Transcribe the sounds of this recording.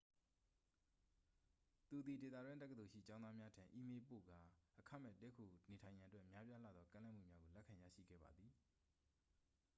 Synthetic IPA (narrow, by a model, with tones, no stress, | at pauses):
t̪u˨d̪i˨de˨t̪a̰˦˨dwɪ̃˦ntɛ˦kə˨d̪o˨ʃḭ˦˨t͡ɕã˦ʊ̃nða˦mja˦tʰã˨ʔi˦me˦po̰˦˨ɡa˦˨ʔəkʰa˦˨mɛ̰˦˨tɛ˦kʰo˨ne˨tʰã˨ɪ̃jã˨ʔətwɛ˦ʔmja˦pja˦la̰˦˨d̪ðɔ˦kã˦lɛ˦ʔm̥ṵ˦˨mja˦ɡo˨lɛ˦kʰã˨ja̰˦˨ʃḭ˦˨ɡɛ̰˦˨ba̰˨d̪ði˨